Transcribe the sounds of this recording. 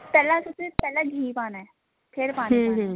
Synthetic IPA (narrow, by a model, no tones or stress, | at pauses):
pɛːlãsʊt̪epɛːlaɡʱiːpaːnaɛ | pʰeɾpaːñː